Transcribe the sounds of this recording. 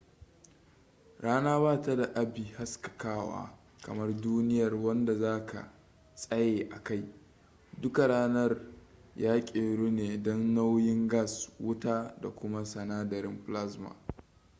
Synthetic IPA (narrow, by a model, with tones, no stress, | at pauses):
ɽaː˦naː˦βaː˦ta˦da˨ʔa˦bi˨ha˦skɐ̥˨kaː˦wa̰ː˦ | kɐ˨mɐ˦rduː˦nɪ˦jɐ˨rwɐ˦nda˨zaː˦kʰa̰˨ | sʼɐ˦jeː˨ʔa˨ka˦˨j | dʊ˦ka˨ɽaː˦nɐ˦r | jaː˦kʲʼeː˨ɽuː˦neː˨dɔ˦nːa˦wjɪ˦ŋɡa˦˨swʊ˦taː˦da̰˨kʷʊ˦ma˦sɐ˨naː˦dɐ˨ɾɪ˦mɸla˦sma̰˨